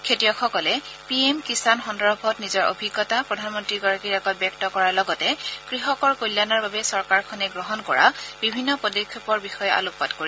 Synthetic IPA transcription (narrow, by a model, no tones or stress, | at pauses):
kʰetijɔxʰɔkɔlɛ | piemkisanxɔndɔɹbʱɔtnizɔɹo̰bʱiɡːɔtapɹɔdʱanmɔntɹiɡɔɹakiɹɛɡɔt̚bjɛk̚tɔkɔɹaɹlɔɡɔtɛkɹiɦɔkɔɹkojlːanaɹbabɛsɔɹkaɹkʰɔnɛɡɹɔɦɔnkɔ̰ɹa̰bibʱinːɔpɔdikʰjɔpɔɹbixɔjɛa̰lʊkpatkoɹi